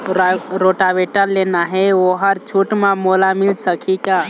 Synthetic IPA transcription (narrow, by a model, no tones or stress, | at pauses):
ɾoʈaʋeʈəɾlenaɦeoɦəɾt͡ʃʰuʈmãmolamilsəkʰika